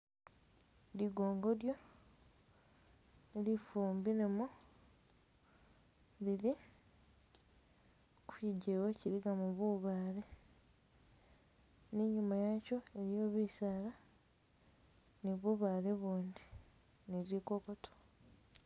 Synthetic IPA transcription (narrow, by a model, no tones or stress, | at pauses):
liɡo̞ːŋɡo̞ɾjo̞ | elifuːmbinemu | βiβi | kuiɟewociɾiɡamuβuːβaːɾe̞ | neɲumajaco̞e̞ɾjo̞ːβisaːla | niβuːβaːle̞βuːndi | neziko̞koto̥